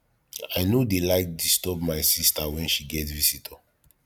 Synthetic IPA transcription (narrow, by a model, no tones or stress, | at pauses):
aɪnodelaɪk̚distɔpmaɪsistawɛ̃nʃiɡɛtvisitʰa